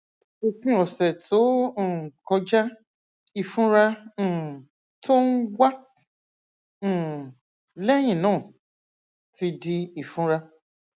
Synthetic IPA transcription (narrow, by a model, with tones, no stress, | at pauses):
o˧fĩ˦˨ɔ˨sɛ˨tʰõ˨˦˨kɔ˧d͡ʒa˦ | i˧˨fũ˦ɾã˧˨ | to˦n̩˦wa˦˨ | lɛ˦j̃ĩ˦˨nãː˨˦˨ | ti˧di˦i˨fũ˦ɾa˧